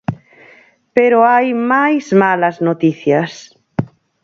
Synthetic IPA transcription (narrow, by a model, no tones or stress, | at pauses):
peɾoajmajzmalɐznot̪iθjas